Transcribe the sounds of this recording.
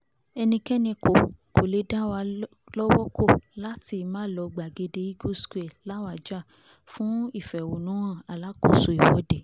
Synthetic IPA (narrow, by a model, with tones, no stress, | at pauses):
ɛ˧nĩ˧kɛ˦nĩ˧ko˨ko˨le˨˦da˦wa˧ | lɔ˦wɔ˦kʰo˦˨la˦ti˧mãː˦lɔ˧ɡ͡ba˨ɡe˧de˧i˦ɡo˦sku˦e˨la˨˦wa˨d͡ʒa˦˨ | fũ˦i˦˨fɛ˨wo˨nũ˨˦w̃ã˦˨a˨la˨˦ko˦˨so˨i˨wɔ˨˦de˨